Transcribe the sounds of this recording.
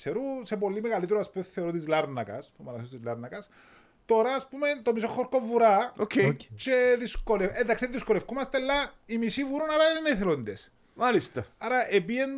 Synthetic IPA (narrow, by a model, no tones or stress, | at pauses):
seɾusepolːimeɣɐlit̪eɾoɐspumeθeoɾot̪izlɐɾnɐkɐspumɐnɐθest̪izlɐɾnɐkɐs | t̪o̞ɾɐːspumet̪omisoxːoɾkovuɾɐokt͡ʃeðiskoleend̪ɐksiððiskolefkumɐst̪elːɐimisivuɾunaɾɐineθelond̪es | malist̪ɐɐɾɐʔepien